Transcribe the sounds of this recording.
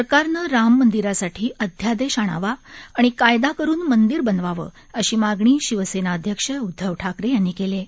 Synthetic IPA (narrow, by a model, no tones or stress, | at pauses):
əɾkaɾnəɾamːənd̪iɾasaʈʰiːʔəd̪ʱjad̪eɕaɽ̃a̰ʋaːɽ̃ikajd̪akəɾuːnmənd̪iɾbənʋaʋə̰ː | əɕiːmaɡɳ̃iːɕiʋəsenaəd̪ʱjəkʂəud̪ʱːəʋʈʰakɾejanːiːkele